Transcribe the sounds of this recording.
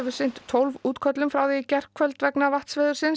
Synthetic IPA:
vʏ̥sɪn̥t̪ʰːowlvuːt̪kʰœt̪lʏmfɾawðɛjcɛr̥kʰvœlt̪vɛknavaht̪svɛːðʏɾsɪns

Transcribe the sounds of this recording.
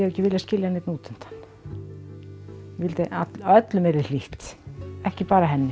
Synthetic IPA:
ɛɣɛcːɪvɪljascɪljahneːt̪nuːt̪ɪn̥t̪ʰḁn̥ː | ɛvɪlt̪ɪat̪œt̪lʏmɛɾɪ̥liht̪ɛhcɪpaːɾaɦɛnːɪ

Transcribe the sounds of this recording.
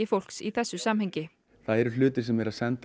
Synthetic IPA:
ɪfowl̥ksiθɛsːʏsamhɛɲcɪ | θaðɛɾʏlʏːt̪ɪ̥sɛmjɛɾaðsɛnt̪

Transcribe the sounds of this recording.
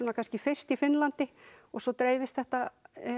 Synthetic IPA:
unakʰanscɪfɪr̥st̪ifɪnlant̪ɪɔɣsɔt̪ɾeːjvɪst̪θɛht̪a

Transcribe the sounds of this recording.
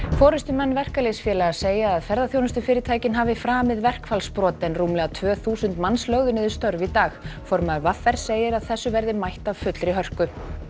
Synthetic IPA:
fɔːɾʏst̪ʏmɛnːvɛr̥kalesfjɛːlaɣaseːjaːðfɛɾðaθjownʏst̪ʏfɪːɾɪt̪ʰajcɪnɦaːvɪfɾaːmɪðvɛr̥kfalspɾɔːt̪ɪnruːmlɛɣat̪ʰvœːθuːsʏnt̪manslœɣðʏnɪðɪ̥st̪œɾvit̪aːɣfɔɾmaɾvafːɛɾ̥seːjɪɾaðθɛsːʏvɛɾðɪmajht̪av̥fʏt̪lɾiɦœr̥kʏ

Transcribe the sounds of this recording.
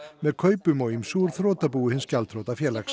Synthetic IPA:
mɛðkʰœːɥpʏmɔɣimsuːɾθɾoːt̪apuːʏhɪnscalt̪ʰɾowt̪afjɛːlaks

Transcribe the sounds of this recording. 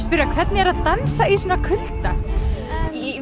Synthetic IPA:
spʏɾakʰvɛt̪nɪɛɾaðt̪ansais̬ɔːnakʰʏlt̪a

